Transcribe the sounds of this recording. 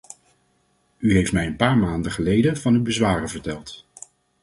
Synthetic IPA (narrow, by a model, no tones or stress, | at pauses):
yɦejftmɛjənpaːɹmaːndəχəlejdənvɑnywbəzʋaːrəvəɹtɛlˠt